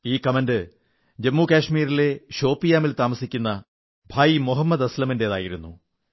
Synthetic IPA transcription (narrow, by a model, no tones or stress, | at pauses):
iːkɐmɐndɨ | d͡ʑɐmːukaːɕmiːɾile̞ɕo̞ːpːijaːmilt̪aːmɐsikʲːunːɐ | bʱaːjimoɦɐmːɐd̪ɐslɐmindeɐðaːjiɾunːu